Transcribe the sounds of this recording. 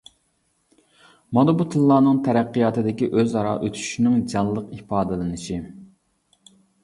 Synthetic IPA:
mɑd̪ɨbut̪ʰɨllːˠɑːnɨŋt̪ʰɛɾæqːijɑːt̪ʰɨd̪ɪkʲiʔøzɑɾɑ̰ʔøt̪ʰy̥ʃinɪŋd͡ʒɑnlˠəqipɑːd̪ɨlɨnɨʃi

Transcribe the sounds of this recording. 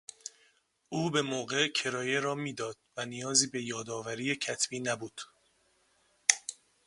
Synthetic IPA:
ʔuːbe̞moːɣeʔcʰe̞ɾɒːjeɾɒːmiːd̪ɒːd̪̥̚vænijɒːziːbe̞jɒːd̪ɒːvæɾiːjecʰæt̪ʰb̥iːnæbuːd̪̥

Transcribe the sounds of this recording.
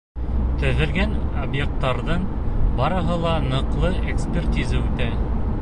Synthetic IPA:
t̪æðɘ̆ɾɡænobjek̚t̪ːɑɾðɤɴ | bɑɾɤ̆ɦɤlˠɑnɤ̆qlˠɤekspʲert̪ʲizəʉt̪æ

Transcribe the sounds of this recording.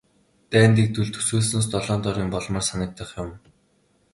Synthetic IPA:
t̪æːnt̪iːk̚t̪uɮt̪ʰɵ̥suːs̬noːs̬t̪ɔɮɔːnt̪ɔɾiːmpɔɮmɔːrsanə̆k̚t̪ə̆χjʊm

